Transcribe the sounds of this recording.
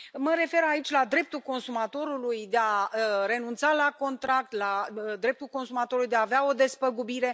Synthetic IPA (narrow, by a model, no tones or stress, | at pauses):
məɾe̞fe̞ɾait͡ʃʲlad̪ɾe̞p̚t̪ulko̞nsumat̪o̞ɾulujd̪e̞aɾe̞nunt̪salako̞nt̪ɾak̚t̪lad̪ɾe̞p̚t̪ulko̞nsumat̪oɾulujd̪eaːveao̞d̪e̞spəɡubiɾe̞